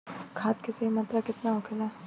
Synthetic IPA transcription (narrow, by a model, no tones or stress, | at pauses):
kʰaːt̪keseɦimɐt̪ɾakɪt̪naʊkʰɪla